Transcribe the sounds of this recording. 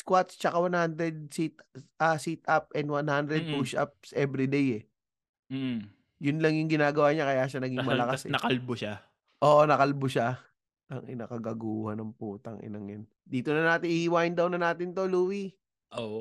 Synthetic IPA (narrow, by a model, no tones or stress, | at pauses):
skwat̪st͡ʃɐkawanhand̪ɾɛd̪̚sit̪̚ʔasit̪ap̚ʔɛnd̪wanhand̪ɾɛd̪̚puʃʔa̰p̚sʔɛbɾid̪ejɛ | jʊnlɐŋjʊŋɡɪnaːɡɐwaːɲakɐjaːʃɐnɐɡiŋmɐɐlɐkasnɐkɐlboʃa | ʔoːʔonɐkɐlbʊʃa | nɐŋʔɪnɐkɐɡaɡuːhɐnɐŋpuːt̪ɐŋʔɪ̰nɐŋjɐn | d̪iːt̪onɐnaːt̪ɪniːiwaːjɪnd̪ɐwnɐnaːt̪ɪnt̪o̞luːwi | ʔo